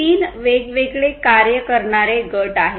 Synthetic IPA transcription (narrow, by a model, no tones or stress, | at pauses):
iːnʋeɡʋeɡɭekaɾjəkəɾɳaɾeɡəʈaɦe